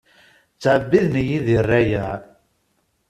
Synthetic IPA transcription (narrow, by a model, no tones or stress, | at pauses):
t͡sːʕəbːiðnəjiðirːæjæ